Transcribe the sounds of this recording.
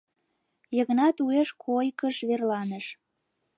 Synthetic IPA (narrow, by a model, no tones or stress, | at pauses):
jəɣnɑt̪ueʃkʰojkəʃβerlɑnəʃ